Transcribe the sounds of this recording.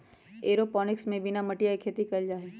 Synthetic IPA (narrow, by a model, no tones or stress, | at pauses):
eːɾopɔːnɪksmẽbɪnamɐʈijaikʰeːt̪ikɐld͡ʒaːɦeː